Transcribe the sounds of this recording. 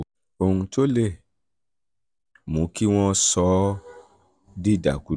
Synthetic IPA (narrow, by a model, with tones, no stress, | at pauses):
o˧ũ˧to˦le˦˨ | mũ˨˦ki˦w̃ɔ̃˦˧sɔ˨˦ | di˦˨da̰˨ku˨˦